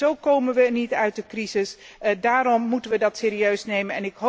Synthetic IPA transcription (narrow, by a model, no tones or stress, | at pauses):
owkowmənʋənitœɥt̚dəkrizɪs | daːrɔmːutənʋədɑtseːɾiøɥsnejmənɛ̰nɪkɦo